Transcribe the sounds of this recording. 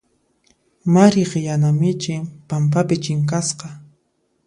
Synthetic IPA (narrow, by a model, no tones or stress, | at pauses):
maɾɪqjanamɪt͡ʃɪpampapɪt͡ʃɪŋk̬asqɑ